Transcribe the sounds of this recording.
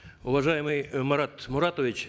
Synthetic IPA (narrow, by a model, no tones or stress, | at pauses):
ʊvɐʐajɪmɨjmɐɾat̪mʊɾat̪oʋʲɪt͡ɕʲ